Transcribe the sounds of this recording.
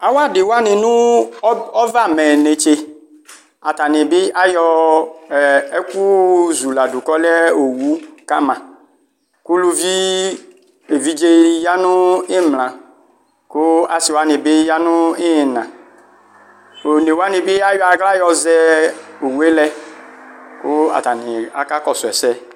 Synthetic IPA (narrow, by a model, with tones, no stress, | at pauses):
a˨wa˦˨dɪ˨wa˦nɪ˨nʊ˦ | ɔ˦va˦˨mɛ˨ne˨t͡ʃe˨ | a˨ta˨nɪ˨bɪ˦a˦jɔ˦˨ | ɛ˦ku˦zu˨la˨du˨kɔ˦lɛ˦o˨wu˦ka˦mã˨ | ku˦lu˦vi˦ | e˨vi˦d͡ʒe˦ja˦nʊ̃˦ɪ˦mlã˨ | kʊ˦a˨sɪ˨wa˦nɪ˨bɪ˦ja˦nʊ˦ɪ˦˨nã˨ | o˨ne˨wa˦nɪ˨bɪ˦a˦jɔ˦a˨ɡla˦jɔ˧zɛ˦o˨wu˨˦e˦lɛ˦ | kʊ˦a̰˨ta˨nɪ˨a̰˦ka˦kɔ˨sʊ˨ɛ˨sɛ˦